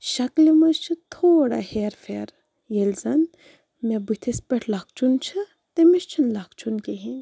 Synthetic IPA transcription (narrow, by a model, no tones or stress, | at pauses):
ʃɐklimɐd͡ʒt͡ʃʰɨt̪ʰoːɽa̰heːɾfʰeːɾ | jelzɐn | mebut̪ʰespeʈʰlɐk̚ʰt͡ʃʰunt͡ʃʰɨ | t̪emist͡ʃʰinlɐkt͡ʃʰunkeɦin